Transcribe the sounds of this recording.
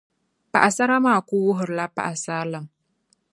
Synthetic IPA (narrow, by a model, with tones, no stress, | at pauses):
pa̰˨ʔa˨sa˦ɾa˦ma˦˨ku˦wu˦ɦə˨ɾla˦pa̰˨ʔa˨sa˦la˨ŋ